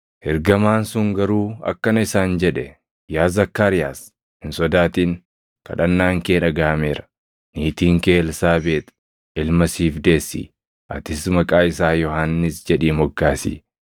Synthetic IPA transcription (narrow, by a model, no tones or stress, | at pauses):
hɛɾɡɐmaːnsʊŋɡɐɾuːɐ̰kːɐnɐɪsaːnd͡ʒɛᶑɛ | jaːzɐkːaːɾɪja̰ːs | hɪnsɔd̪aːt̪iːŋ | kɐ̰ᶑɐnːaːŋkeːnɐɡaːmeːɾɐ̥ | niːt̪iːŋke̞ːlsaːbeːt̪ | ɪlmɐsiːfd̪e̞ːsːḭː | ʔɐ̰t̪ɪsmɐkʼaːɪsaːjɔhanːɪsd͡ʒɛᶑiːmɔɡːaːsḭː